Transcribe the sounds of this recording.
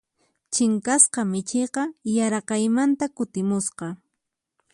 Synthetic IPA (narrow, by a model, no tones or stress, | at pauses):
t͡ʃɪŋkasqɑmɪt͡ʃɪjqɑjaɾɑqɑjmant̪akʊt̪ɪmʊsqɑ